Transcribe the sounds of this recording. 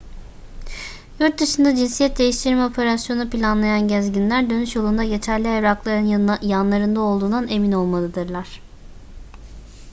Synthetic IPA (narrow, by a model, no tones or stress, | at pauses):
juɾt̪̚d̪ɯʃɯnd̪ad͡ʒinsijɛt̪̚d̪e̞jiʃt̪ʰiɾimɛo̞pʰe̞ɾasjo̞nupilʲanlˠajanɟæzɟinlʲæɾd̪ø̞nyʃjolˠund̪aje̞t̪ʰæɾlʲiɛβɾaklˠaɾɯnjanlˠaɾɯnd̪ao̞lˠd̪uːnd̪ane̞mino̞lˠmalˠɯd̪ɯɾlˠaɾ̥